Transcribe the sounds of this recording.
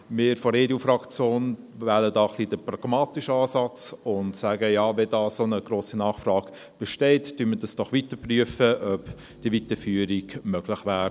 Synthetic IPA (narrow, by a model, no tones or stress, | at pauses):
mɪːɾfɔɾeːdiuːfɾɑkt͡sjoːn | væləd̪ɑːχlid̥əprɑɡ̥mɑːt̪iʃɑːsɑt͡sʊnt̪sæːɡəjɑːʋɛdɑːsonəɡɾoːsinɑːχfrɑːɡ | b̥ɛʃtɛɪtd̥yməd̥ɑsd̥ɔχʋit̪əpryəfəʔœp | d̥ivit̪əfyːəɾiɡmœɡ̥lɪχʋæːɾ